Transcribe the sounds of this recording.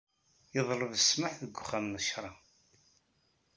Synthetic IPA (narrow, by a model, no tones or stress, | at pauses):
jəðˤɾˤəvəsməħðəɡʷːʊχæmnəʃɾˤɑ